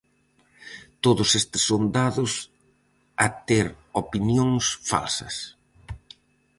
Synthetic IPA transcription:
t̪oðʊsest̪ɪ̥sːond̪aðʊs | ɐt̪eɾopinjoŋsfa̰lsɐ̰s

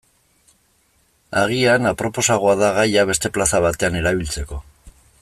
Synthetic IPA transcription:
aɣ̞ianapɾo̞po̞saɣ̞oaðaɣajaβ̞e̞st̪e̞plasaβat̪e̞ane̞ɾaβilt͡se̞ko̞

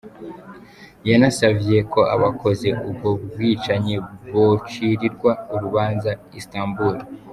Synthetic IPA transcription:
janasavje̞ko̞a̰βakʰo̞ze̞ʔubɡob̚ɡwiːt͡ʃaɲiβot͡ʃiɾiɾɡwauɾuβaːnzaistaːmbuɾi

